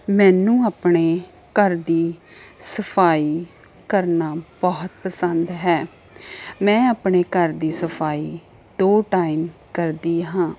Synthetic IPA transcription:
mɛ̃ːnũːaːpɳeː | kəɾd̪iːsəpʰaːiː | kəɾnaːb̥ɔːt̪pəsənd̪ɦɛː | mɛ̃ːaːpɳeːkəɾd̪iːsəpʰaːiː | d̪oːʈaːiːmkəɾd̪iːɦãː

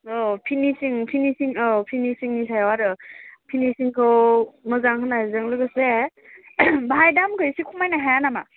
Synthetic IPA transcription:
ɔpʰinisiŋpʰinisiŋɔpʰinisiŋnis̬ajwaɾɯpʰinisiŋkʰɯwmɯzaŋkʰɯnaazɯŋlɯɡɯse | baɦajdamɡɯjsikʰumajnaɦajanama

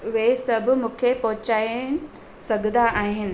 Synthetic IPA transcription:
ʋesɐbʱʊmũːkʰepɔɦʊt͡ɕaːɪn | sɐɡʱnd̪aʔaːɦɪnɪ̆

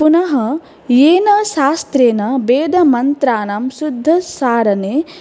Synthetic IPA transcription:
punɐɦɐ | jeːnɐʃaːst̪ɾeːnɐbeːd̪ʱɐmɐnt̪ɾaːnɐmsud̪ʱːɐsaːɾɐneː

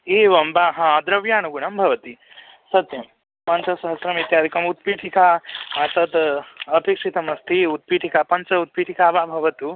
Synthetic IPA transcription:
eːʋɐmbaɦãːd̪ɾɐʋjaːnuɡuɳɐmbʱɐʋɐt̪i | sɐt̪jɐm | pɐnt͡ʃɐsɐɦɐsɾɐmit̪jaːd̪ʱikɐmut̪̚piːʈʰikaːɐsɐt̪ɐpekʂit̪ɐmɐst̪ʰiut̪̚piːʈʰikaːpɐnt͡ʃɐut̪̚piːʈʰikaːbaːbʱɐʋɐt̪u

